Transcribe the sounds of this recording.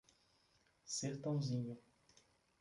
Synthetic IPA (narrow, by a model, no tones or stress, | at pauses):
seɾt̪ɐ̃w̃zĩɲʊ